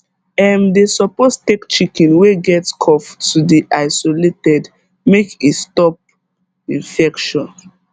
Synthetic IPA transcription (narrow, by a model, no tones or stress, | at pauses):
ɛmdesɔpostekt͡ʃikɛ̃nweɡɛtskʰɔftudiʔaɪsoletɛd | mekistɔp̚ | ĩnfɛkʃɔ̃n